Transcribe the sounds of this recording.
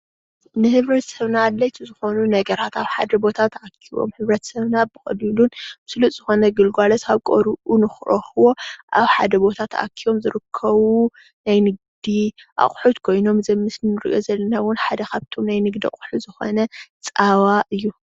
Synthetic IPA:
nɨhɨβɾɐt̪sɐβnalːɐjt̪ʰizɨxo̞nunɐɡɐɾat̪aβħad̪ɐbo̞t̪ʰat̪akʰːiwo̞̰mhɨβɾɐt̪ʰsɐβnabɨxʼɐlilunbɨslut̪ʼz̥ɨxo̞nɐɡɨlɡʷalɐsʰaβkʼoɾuʔunɨxɨʔoxɨwo̞ʔa̰βħad̪ɐbo̞t̪ʰat̪a̰kʰːiβo̞mzɨɾɨkʰːɐβu | najnɨɡd̪iʔa̰χʼħut̪kʰo̞jno̞mzɐmːɨsnɨnɨɾʔo̞zɐlːɐnawʊnħad̪ɐkʰaβt̪ʰo̞mnajnɨɡd̪ia̰χʼħuzɨxo̞̰nɐt͡sʼawaʔɨjːu

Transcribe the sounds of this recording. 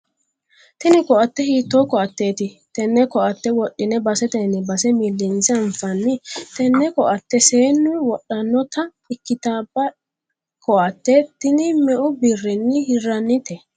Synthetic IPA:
t̪ɪnɪkɔʔɐt̪ːɛhiːt̪ːoːkɔʔɐt̪ːe̞ːt̪ɪ | t̪ɛnːɛkɔʔɐt̪ːɛwɔɗːɪnɛbɐsɛt̪ɛnɛbɐsɛmɪlːɪnsɐɱfɐnːɪt̪ɛnːɛkɔʔɐt̪ːɛseːnːʊwɔɗːɐnːɔt̪ɐ | ɪkːɪt̪aːbːɐ | kʰɔʔɐt̪ːet̪ːɪnɪmɛʔʊbɪrːɪnːɪhɪrːɐnːɪt̪ɛ

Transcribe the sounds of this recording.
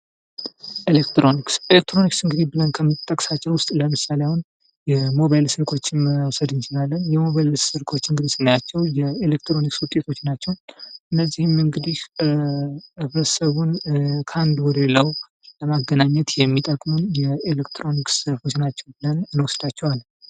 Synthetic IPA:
ʔelekt̪ɾo̞nikselekt̪ʰɾo̞niksɨŋɡɨd̪ibɨlənkʰəmt̪ʼːəkʼsat͡ʃːɛwʊst̪ʼləmɨsalejawn | jɛmo̞βajlsɨɾkʰo̞t͡ʃːɪnwsəd̪ɨnt͡ʃɪlalːənjɛmo̞βajlssɨɾkʰo̞t͡ʃːɨŋɡɨd̪isɨnːəjat͡ʃːɛwjɛelek̚t̪ɾo̞nikswʊt̪ʼːe̞t̪ʰo̞t͡ʃːnat͡ʃːɛwʔɨnːəzːihɨmɨŋɡɨd̪ih | fɾəsəβunkʰəand̪wɔɾeləw | ləmaɡːənaɲːɛt̪jɛmːit̪ʼəkʼmunjɛelekt̪ʰɾo̞niksəɾfo̞t͡ʃːnat͡ʃːɛwbɨlənːwɔsəd̪at͡ʃːɛwalː

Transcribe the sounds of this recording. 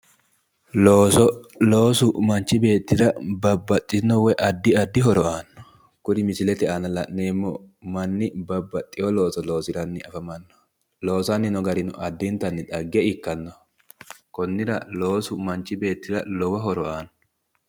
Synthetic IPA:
loːsɔloːsʊmɐnt͡ʃːɪbe̞ːt̪ːɪɾɐbɐbːɐt̪ʼːɪnɔwɛʔɐd̪ːɪɐd̪ːɪɦɔɾɔʔaːnːɔ̥ | kʊɾɪmɪsɪlɛt̪ɛanɐlɐʔneːmːɔ | mɐnːɪbɐbːɐt̪ʼːɪjɔlo̞ːsɔlo̞ːsɪɾɐnːɪɐfɐmɐnːɔ̥ | lo̞ːsɐnːɪnɔɡɐɾɪnʊʔɐd̪ːɪnt̪ːɐnːɪᶑ̪ɐɡːɛɪkːɐnːɔ | kɔnːɪɾɐlo̞ːsʊmɐnt͡ʃːɪbe̞ːt̪ːɪɾɐ̰lɔwɐɦɔɾɔʔaːnɔ

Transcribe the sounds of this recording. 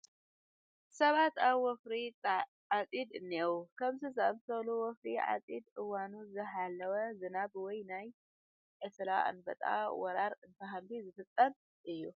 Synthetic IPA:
sɐβat̪aβwɔfɾi | ʕat͡sʼid̪ɨnːewukʰɐmzizɨɐmsɐluwɔfɾiʕa̰t͡sʼid̪ʔɨwanuzɨħalːɐwɐzɨnabwɔjnaj | ʔɨslaʔa̰nbɐt̪ʼa̰wɔɾaɾɨnt̪ʰɐɦambizɨfɨt̪ʼːɐn | ʔɨjːu

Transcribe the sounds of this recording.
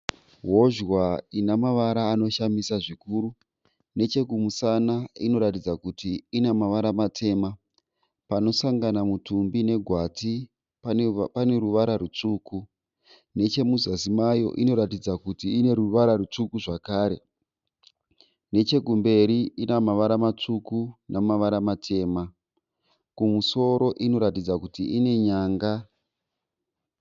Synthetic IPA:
ɦo̞ʒwainamaʋaɾaːno̞ʃamisaʐikuːɾu | ne̞t͡ʃe̞kumusanaino̞ɾatid͡zakutiːnemaʋaɾamatʰe̞ːma | pano̞saŋɡanamutumbine̞ɡʱwati | pane̞ɾuʋaɾaɾut͡ʂuːku | ne̞t͡ʃe̞muzasimajo̞̰ʔino̞ɾatid͡zakutiːne̞ɾuʋaɾaɾut͡ʂukuʐakaːɾe̞̰ | ne̞t͡ʃe̞ɡʱumbe̞ɾiinamaʋaɾamat͡ʂukunʔamaʋaɾamatʰe̞ːma | kumuso̞ɾo̞ʔino̞ɾatid͡zakutiʔine̞ɲaːŋɡa

